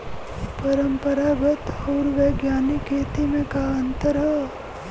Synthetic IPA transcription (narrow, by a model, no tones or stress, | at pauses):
pɐɾəmpəɾabɐt̪oːɾʋeɡjaːnikʰeːt̪imẽkaːənt̪əɾɦə